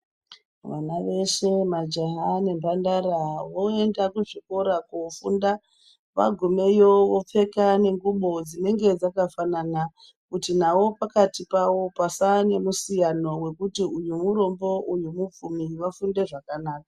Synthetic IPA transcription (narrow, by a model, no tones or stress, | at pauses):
ʋanaʋe̞ʃe̞mad͡ʒaɦane̞mbandaɾawoe̞ndakuʐiko̞ɾakofunda | ʋa̰ɡʱume̞jo̞ʋo̞p͡fe̞kane̞ŋɡuɓo̞d͡zine̞ŋɡe̞d͡zakafanana | kutinawo̞pakatipawo̞pasane̞musijano̞we̞kutiujumuɾo̞mbo̞ʔujumup͡fumiʋafunde̞ʐakanaːk̚ḁ